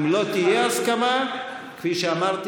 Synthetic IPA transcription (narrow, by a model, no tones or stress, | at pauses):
mlot̪ijeaskama | kʰfiʃamaɾt̪